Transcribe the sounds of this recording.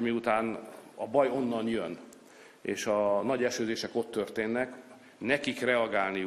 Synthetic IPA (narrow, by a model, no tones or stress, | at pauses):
miut̪aːnɒbɒjo̞nːɒnjøn | eːʃɒnɒɟɛʃøːzeːʃɛko̞t̪ːø̞rt̪eːnːɛk | nɛkikrɛɒɡaːlni